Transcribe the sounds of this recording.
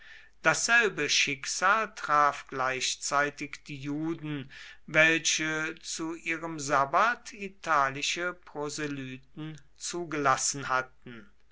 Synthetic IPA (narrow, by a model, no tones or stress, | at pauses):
d̥asz̥ɛlbəʃɪkz̥aːltʁ̥aːfɡ̥laɪʃt͡saɪtɪkd̥iːjuːdn̩vɛlɕət͡suʔiːʁəmzabatitʰaːlɪʃəpʁozelyːt̚n̩ | t͡suːɡəlasn̩hat̚n̩